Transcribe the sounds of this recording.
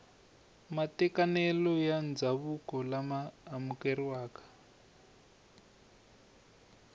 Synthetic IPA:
matɛkanɛlɔjand͡zaβukɔlamaːmukɛriwaːkḁ

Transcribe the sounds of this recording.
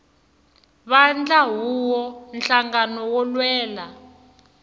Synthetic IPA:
βand͡ɮaɦuwɔnɬaŋɡanɔwɔlwɛːla

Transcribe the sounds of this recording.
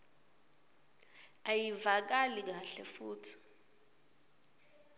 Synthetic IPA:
ajivak̬alik̬aɬɛfuːtʰi̥

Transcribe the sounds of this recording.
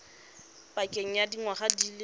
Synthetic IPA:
pʼakʼeŋ̩jadiŋwaχadiːlɪ

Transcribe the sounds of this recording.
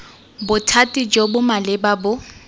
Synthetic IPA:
bʊtʰatʼid͡ʒɔbʊmalɪbabʊ

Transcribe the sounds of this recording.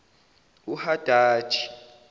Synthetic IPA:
uhad̥ʱḁːt͡ʃʰʼi̥

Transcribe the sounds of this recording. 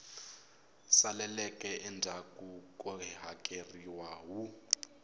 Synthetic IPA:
salɛlɛkʼɛʔɛndʱakʼukʼɔɦakʼeriwaɦu

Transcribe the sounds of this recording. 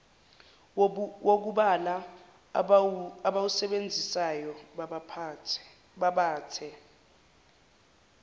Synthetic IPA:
wok̬uɓala | aɓawusɛɓend͡zʱisajɔ | aɓaːtʰɛ

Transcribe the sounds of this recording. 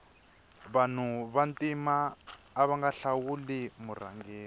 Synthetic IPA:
βan̤uβantʼimaː | βaŋɡaɬawulimura̰ŋɡeː

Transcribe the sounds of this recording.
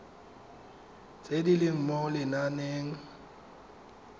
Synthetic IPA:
t͡sʼedilɪm̩mɔlɪnaneːŋ̩

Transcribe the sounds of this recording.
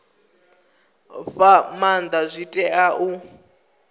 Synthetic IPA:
ɸamand̪azʷitʼɛʔaʔu

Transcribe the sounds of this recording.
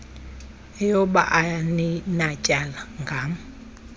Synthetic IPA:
ɛjɔɓaʔaaninacʼalaŋɡʱam

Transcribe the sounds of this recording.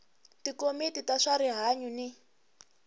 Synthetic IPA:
tikomititaʂaɾiɦaɲuni

